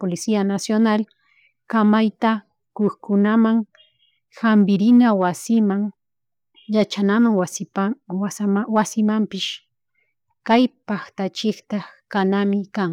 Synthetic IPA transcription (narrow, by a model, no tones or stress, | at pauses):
polɪsianasjonal | kamajt̪a | koχkʊnamaŋ | hambɪɾɪnawasɪmaŋ | jat͡ʃanamaŋwas | swasɪmampɪʃ | kajpaxt̪at͡ʃɪkt̪akanamɪkaŋ